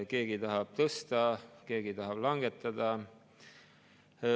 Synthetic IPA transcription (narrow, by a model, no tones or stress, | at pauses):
ke̞ːɡ̥it̪ɑɦɑb̥̚t̪ɤst̪ɑke̞ːɡ̥it̪ɑɦɑb̥lɑŋɡ̥et̪ːˑɑd̪ɑ